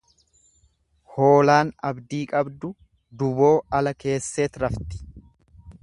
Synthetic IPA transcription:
ho̞ːlaːnɐbd̪iːkʼɐbd̪ʊ | d̪ʊbo̞ːɐlɐke̞ːsːe̞ːt̪ɾɐft̪ɪ̥

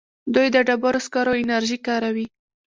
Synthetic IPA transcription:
d̪ujd̪əɖabaɾoskɑɾoɪnaɾʒikɑɾawi

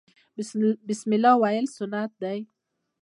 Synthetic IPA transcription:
bɪsmɪlawaɪlsʊnːat̪̚d̪aj

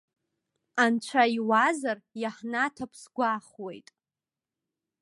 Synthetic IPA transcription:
ant͡ʃʷʰaiwazarjaħnatʰapʰsɡʷaχwejtʼ

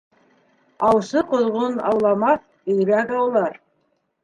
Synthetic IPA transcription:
ɑwsɤqŏðʁonɑ̰wlˠɑmɑθ | ɘ̆jɾækɑwlˠɑɾ

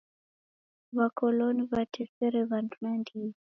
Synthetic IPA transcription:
βakɔlɔniβatʰɛfɛɾɛβandmandi

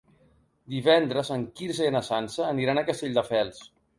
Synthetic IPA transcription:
d̪iβɛnd̪ɾəzəŋkiɾzəenəsansəːniɾanəkəst̪eʎʲd̪əfɛlˠs

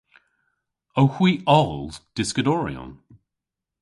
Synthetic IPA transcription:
owhwiːɔlˠd̥ɪskədɔɹḭɔ̰̃n

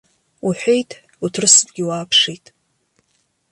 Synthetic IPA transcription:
uħʷᶣejtʼ | utʰrɨsɨdɡʲɪwaːpʰʂijtʼ

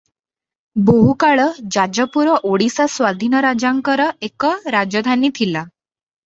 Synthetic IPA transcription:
boɦukaɭəd͡ʑad͡ʑəpuɾəʔoɽisasʋad̪ʱinəɾad͡ʑaŋkəɾəekəɾad͡ʑəd̪ʱanit̪ʰila

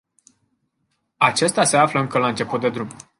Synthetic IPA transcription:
at͡ʃe̞st̪ʲase̞afləɨŋkəlant͡ʃe̞put̪̚d̪e̞d̪ɾum

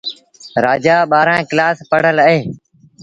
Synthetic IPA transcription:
ɾaːd͡ʒaːɓaːɾãːklaːspəɽ̤ələɦeː

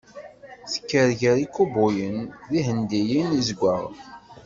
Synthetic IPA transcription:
θə̥kːəɾʝəɾikːubʊjənðihənd̪ijinizɡʷːəʁ

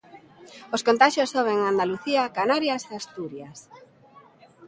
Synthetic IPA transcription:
oskont̪aʃjosːoβeŋand̪aluθiakanaɾjaseast̪uɾjas

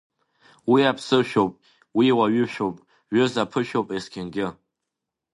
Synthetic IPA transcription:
wiapsɨʃopʼ | wiwaɥɪʃᶣopʼ | ɥɨzapʰɨʃᶣopʼeskʲʰɛnɡʲɪ

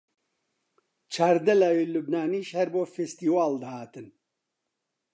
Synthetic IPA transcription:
t͡ʃʰaːɾd̪ɐlaːwilubnaːniːʃhɐɾboːfest̪iːwaːld̪ɐhaːt̪ɨn

